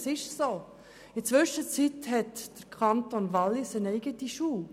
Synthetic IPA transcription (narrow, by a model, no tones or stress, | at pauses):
sɪʃsoː | ɪt͡sʋʏʃət͡sitɦɛtd̥əɾkʰɑntonʋɑlːɪsənɛɪɡətiʃuː